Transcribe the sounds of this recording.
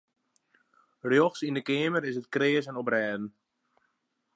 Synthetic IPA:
rjoxsindəkɪːməɾɪs̬ət̚kreəsənɔprɛːdn̩

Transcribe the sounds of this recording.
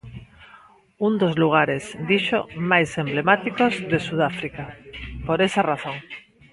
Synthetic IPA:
und̪ozluɣ̞aɾezd̪iʃo̰majsẽmblemat̪ikozðesuð̞afɾikapoɾesaraθoŋ

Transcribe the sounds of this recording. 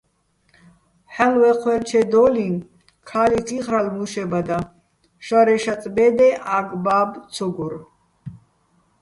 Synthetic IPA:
ħalwɛqʰwɛlt͡ʃʰɛd̪ɔlin | kʰalit͡s̪ʰʼiʁɾalmuʃɛbad̪a | ʃaɾɛʃat͡sʼbɛd̪ɛʔaɡbaːb̪t͡sʰɔɡuɾ

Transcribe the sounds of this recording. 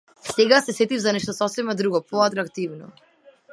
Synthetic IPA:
sɛɡasɛsɛt̪ivzanɛʃt̪ɔsɔsɛmad̪ɾuɡɔpɔat̪ɾakt̪ivnɔ̰

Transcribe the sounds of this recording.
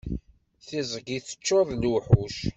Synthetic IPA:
θɪzˤəɡiθə̥t͡ʃːoðˤlwuħuʃ

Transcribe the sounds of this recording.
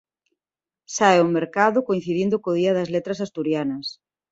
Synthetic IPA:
saeumeɾkaðʊkoin̟θiðind̪ʊkoðiɐðɐzlet̪ɾɐsast̪uɾjanɐs

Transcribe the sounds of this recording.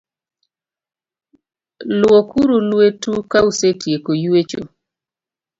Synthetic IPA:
lwokuɾulwetukausetjekojwet͡ʃo̰

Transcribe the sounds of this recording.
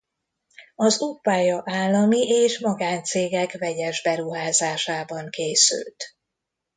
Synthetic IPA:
ɒzupːaːjɒʔaːlːɒmiʔeːʃmɒɡaːnt̪seːɡɛkvɛɟɛʒbɛɾuɦaːzaːʃaːbɒŋkeːsy̰lt̪

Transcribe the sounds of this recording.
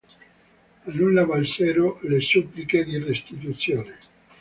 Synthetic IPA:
anunːavalsɛːɾolesupːliked̪irest̪it̪̬ut̪sjoːne

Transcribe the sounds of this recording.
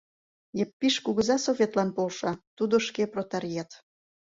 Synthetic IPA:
jepːiʃkuɣəzɑsoβʲet̪lɑnpolʃɑt̪ud̪oʃkeprot̪ɑɾijɑt̪

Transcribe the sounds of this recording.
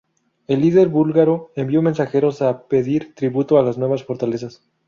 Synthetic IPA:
e̞lːiðe̞ɾβulɣaɾo̞embjomẽ̞nsaxe̞ɾo̞sape̞ðiɾt̪ɾiβut̪oalaznwe̞βasfo̞ɾt̪ale̞s̬as

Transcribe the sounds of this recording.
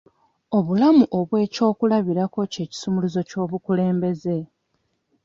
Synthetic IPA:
o̞βulamuʔo̞βwe̞ːco̞ːkulaβiɾako̞ce̞ːci̥sumuluzo̞co̞ːβukule̞ːmbe̞ze̞

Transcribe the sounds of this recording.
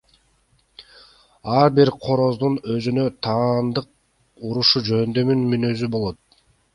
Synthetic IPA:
ɑɾbiɾqʰo̞ɾo̞zd̪unø̞zynø̞t̪ʰɑːnd̪ɯq̚ | uɾuʃud͡ʒø̞nd̪ø̞mynmynø̞zybo̞lˠot̪̚

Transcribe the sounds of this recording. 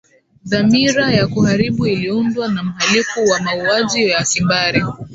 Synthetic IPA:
ðamiɾajakuhaɾiɓuiliundwanam̩halifuwamauaʄijasimbaɾi

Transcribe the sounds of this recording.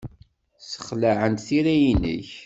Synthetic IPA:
sə̥χlaʕənt̪θiɾæjinə̰ç

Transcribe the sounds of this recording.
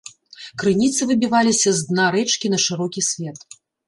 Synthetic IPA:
kɾɨnʲit̪sɨvɨbʲivalʲisʲɐzd̪naɾɛt͡ʂkʲinɐʂɨɾɔkʲisʲvʲɛt̪

